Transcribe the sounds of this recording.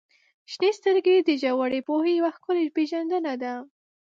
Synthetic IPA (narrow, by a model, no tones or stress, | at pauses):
ʃnest̪əɾɡed̪əʒawaɽepohejawaxkʊlepeʒand̪ənad̪a